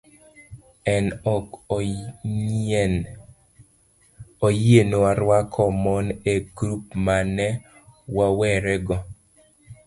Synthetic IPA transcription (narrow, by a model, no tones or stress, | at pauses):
ɛnɔk | ojenowaɾwakʰɔmɔneɡɾup̚manɛ | wawɛɾɛɡɔ